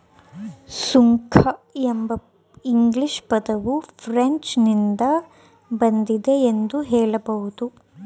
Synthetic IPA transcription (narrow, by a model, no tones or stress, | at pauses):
suŋkʰɐembɐ | iŋɡliʃpɐd̪ɐʋupʰɾeɲt͡ʃnind̪ɐ | bɐnd̪id̪e̞ːnd̪uɦɛːɭɐbɐɦud̪u